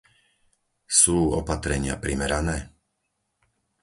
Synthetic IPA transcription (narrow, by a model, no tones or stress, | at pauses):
suːɔpat̪ɾɛɲɪa̰pɾimɛɾanɛː